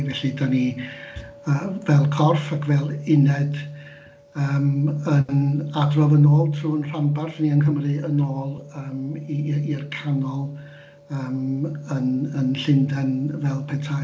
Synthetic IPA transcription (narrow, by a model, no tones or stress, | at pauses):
vɛɬidani | əːvɛlˠkʰɔrfakʰvɛlˠɪnɛd | əːmənadrɔvənoːlˠtʰruːənr̥ambarθniənɦəmrɨənoːlˠəːmiːrkʰanɔlˠ | əːmənənɬɪndɛnvɛlˠpʰɛtʰa